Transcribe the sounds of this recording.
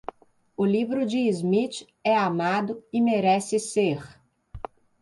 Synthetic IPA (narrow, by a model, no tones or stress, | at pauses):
ʊlivɾʊd͡ʒɪːzmit͡ʃ | ɛamad̪ʊɪmeɾɛsɪseχ